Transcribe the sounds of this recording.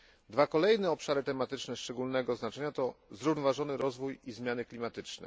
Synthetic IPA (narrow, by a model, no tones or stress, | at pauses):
d̪vakɔlɛjnɛɔpʂaɾɘt̪ɛmat̪ɘt͡ʂnɛʂt͡ʂɛɡulnɛɡɔznat͡ʂɛɲat̪ɔzɾuvnɔvaʐɔnɘɾɔzvujizmʲjanɘklʲimat̪ɘt͡ʂnɛ̰